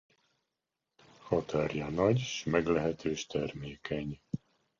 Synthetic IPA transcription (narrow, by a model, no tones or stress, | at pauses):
hɒt̪ʰarjɒnɒɟʃmɛɡlɛɦɛt̪øːʃt̪ɛrmeːkʰɛɲ